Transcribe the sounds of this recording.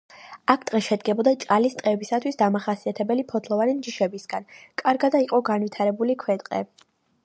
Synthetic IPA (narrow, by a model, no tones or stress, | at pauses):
akʰt̪ʼqʼɛʃɛd̪ɡɛbɔd̪at͡ʃʼqʼalist̪ʼqʼɛbisat̪ʰwisd̪amaχasiat̪ʰɛbɛlipʰɔt̪ʰlˠɔvanimd͡ʒiʃɛbisɡankʼaɾɡad̪aiqʼɔɡanvit̪ʰaɾɛbulikʰwɛt̪ʼqʼɛ̰